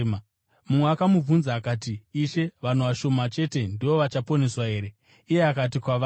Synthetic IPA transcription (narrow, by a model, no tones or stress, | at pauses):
mumweakamub͡vunzaːkaːt̬iːʃe̞ʋan̤uʋaʃo̞mat͡ʃe̞te̞ndiʋo̞ʋat͡ʃapo̞ne̞swae̞ːɾe̞ | ije̞akat̬ikwaʋa